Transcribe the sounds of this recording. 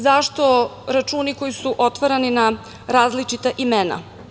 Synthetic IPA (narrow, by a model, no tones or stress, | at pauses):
zaʃt̪o̞ɾat͡ʃuːniko̞jisuʔo̞t̪ʋaɾanina | ɾaːzlit͡ʃit̪aʔimena̰